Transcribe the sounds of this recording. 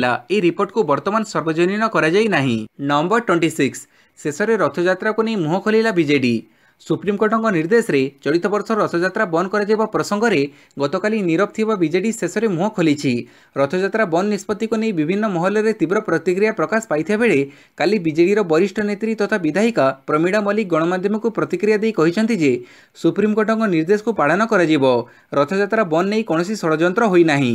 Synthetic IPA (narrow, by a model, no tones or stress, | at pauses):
laeiɾipoɾʈkubɔɾt̪ɔmansɔɾbɔd͡ʒɔninɔkɔɾad͡ʒajnaɦḭ̃nɔɔmbɔɾʈweɳʈisiksː | esɔɾeɾɔt̪ʰɔd͡ʒat̪ɾakuneĩmuɦɔkʰolilabid͡ʒeɖi | supɾimkoɾʈʰɔŋkɔniɾd̪esɔɾet͡ʃɔɽit̪ɔbɔɾsɔɔt̪ʰɔd͡ʒat̪ɾabɔnɔkɔɾad͡ʒajbapɾɔsɔŋɡɔɾe | ɡɔt̪ɔkaliniɾɔp̚t̪ʰibabid͡ʒeɖisesɔɾemuɦɔkʰolit͡ʃʰi | ɾɔt̪ʰɔd͡ʒat̪ɾabɔnnispɔt̪ːikunejbibʱinːɔmɔɦɔlːɔɾet̪ibɾɔpɾɔt̪ikɾijapɾɔkasɔ̥pajt̪ʰibabeɭe | kalibid͡ʒeɽiɾɔbɔɾisʈʰɔnet̪ɾit̪ɔt̪ʰabid̪ʱaɦikapɾɔmiɽamɔliɡɔɽ̃ɔmad̪ʱjɔmɔkupɾɔt̪ikɾijad̪ejkɔɦit͡ʃʰɔnt̪id͡ʒe | supɾimkoʈɔŋɡɔniɾd̪esɔ̥kupaɽ̤anɔkɔɾad͡ʒibɔ | ɾɔt̪ʰɔd͡ʒat̪ɾabɔnːejkɔɽ̃ɔsisɔɽɔd͡ʒɔnt̪ɾɔɦojnaɦḭ̃